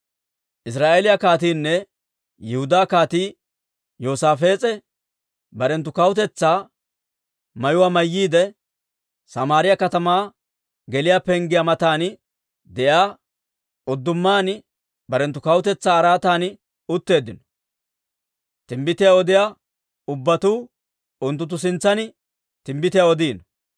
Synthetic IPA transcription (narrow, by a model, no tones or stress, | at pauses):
ʔɪs̬ɾaːʔeːlɪjɐkaːt̪iːnːɛ | jɛhʊd̪aːkaːt̪iː | joːsaːfe̞ːt͡sʼɛ | bɐɾɛnt̪ːʊkɐwʊt̪ɛt͡sːaː | mɐjʊwaːmɐjːiːd̪ɛ | sɐmaːɾɪjɐkɐt̪ɐmaː | ɡɛlɪjapɛŋɡɪjamɐt̪aːn | d̪ɛjaː | ɔd̪ːʊmːaːn | bɐɾɛnt̪ːʊkɐwʊt̪ɛt͡sːaːɾaːt̪aːn | ʊt̪ːe̞ːd̪ɪnɔ̥ | t̪ɪmbɪt̪ɪjaɔd̪ɪjaː | ʊbːɐt̪uː | ʊnt̪ːʊt̪̬ːʊs̬ɪnt͡sːɐn | t̪ɪmbɪt̪ɪjaɔd̪iːnɔ